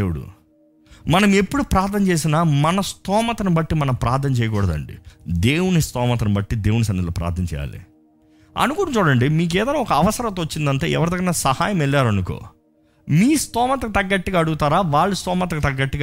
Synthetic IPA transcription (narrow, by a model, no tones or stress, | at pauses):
ewɽṵ | mɐnɐmepːuɽupɾaːt̪ʰnɐnt͡ʃeːs̬inaːmɐnɐst̪ɔːmɐt̪ɐnibɐʈːimɐnɐmpɾaːt̪ʰːɐnt͡ʃɛːjɐk̬ɔːɽɐd̪ɐ̰ɳɖḭd̪e̞ːwunist̪ɔːmɐt̪ɐnɐbɐʈːid̪eːwnisɐnːit̪loːpɾa̰ːt̪ʰnɐnt͡ʃɛ̰ːja̰ːlḭ | ɐ̰nukunumt͡ʃuːɽɐɳɖimiːk̬eːd̪ɐjnaːɔkɐːʋɐsɐɾɐt̪̬oot͡ʃːind̪ɐɳʈḛːɛ̰ʋɐɾid̪ɐɡːɐnaːsɐha̰ːjɐmɛɭːaːɾɐnuko̰ː | miːst̪ɔːmɐt̪̬ɐkit̪ɐɡːɐʈːiɡaːɐɽuɡut̪aːɾaːʋaːɭːust̪ɔːmɐt̪ɐkut̪ɐɡːɐʈːiɡa